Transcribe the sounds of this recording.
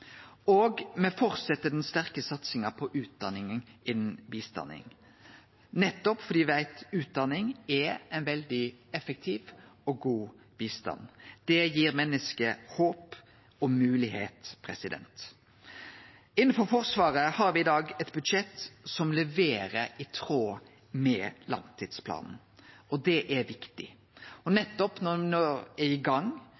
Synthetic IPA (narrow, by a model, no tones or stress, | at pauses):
oːɡmɛfɔʁt̪sɛt̪ːəd̪ɛnst̪æʁkəsɑt̪sɪŋɑpʰɔʔʉːt̪̚d̪ɑnɪŋənɪnn̩biːst̪ɑ̰nɪ̰ŋ | nɛt̪ːɔpfɔɾd̪iːæɪt̪ʉːt̪̚d̪ɑnɪŋɛɛɪnʋɛld̪ɪɛfək̚t̪ʰiːʋɔɡuː | b̥iːst̪ɑ̰nd̪̥ɛjiːɾmɛnːəskəhoːp | ɔmʉːlɪheːt̪pʰɾɛsɪd̪ɛ̰nt̪ | ɪn̩ːfɔɾfɔɾsʋɑːɾəhɑɾʋɪɪd̪ɑːɡɛt̪̚bʉd̪ʂɛt̪sɔmlɛʋeːɾəɾɪt̪ʰɾoː | mɛlɑ̰ŋt̪ʰiːd̪̥spʰlɑ̰ːnn̩ | ɔd̪ɛʔæʋɪkt̪ɪ̰ | ɔnɛt̪ːɔpnɔnɔɾæɪɡɑŋː